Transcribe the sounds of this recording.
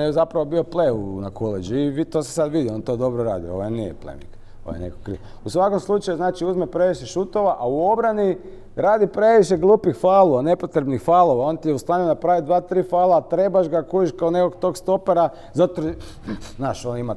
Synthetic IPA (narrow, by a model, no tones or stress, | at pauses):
jezapɾaʋobio̞pleunakʰoled͡ʒiːʋit̪oːse̥sad̪ʋid̪io̞nt̪o̞ːd̪o̞bɾoɾa̰ːd̪io̰oʋojnijḛplḛmḭk | o̰o̰jenḛkokːɾḭo | usʋako̞mslˠut͡ʃajuznaːt͡ʃiuzmepɾe̞ʋiʃeʃut̪o̞ʋaʔauo̞bɾani | ɾaːd̪ipɾe̞ʋiʃeɡlˠuːpixfaːlˠuane̞pot̪ɾebnixfaːlˠo̞ʋao̞nt̪ijeust̪aːɲunapɾaːʋid̪ʋaːt̪ɾiːfaːlaːt̪ɾe̞baʒɡakujiʃkaoneko̞ɡt̪o̞ɡst̪o̞peɾa | zat̪o | naːʃonima